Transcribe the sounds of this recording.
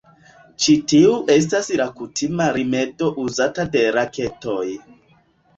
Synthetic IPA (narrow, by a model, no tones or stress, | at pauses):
t͡ʃitiuʔes̬tasɾakutʰimaɾimeto̞ʔuzatade̞ɾaketoj